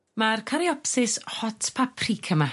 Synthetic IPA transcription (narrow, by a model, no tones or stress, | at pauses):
markʰaɾiɔpsɪshɔtʰpʰapʰrikʰəma